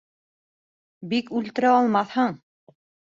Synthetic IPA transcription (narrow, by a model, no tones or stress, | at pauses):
bikʉlt̪ɘ̆ɾæɑlˠmɑθhɤɴ